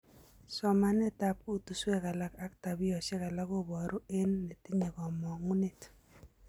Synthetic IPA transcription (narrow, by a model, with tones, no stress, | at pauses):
sɔ˨ma˨nɛ˦ta˦p̚u˦tu˨swɛ˦ka˨la˦ka˦k̚ta˨bɪ˦ɔ˨ʃɛ˦ka˨la˦ko˦bɔ˨ɾʔo˦e˦nːe˨ti˦ɲe˨kɔ˨mɔ˨ŋu˦ne˦t